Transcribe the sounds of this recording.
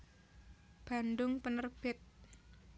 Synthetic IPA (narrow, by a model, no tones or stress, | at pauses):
b̥andʊŋpənərb̥ɪt̪̚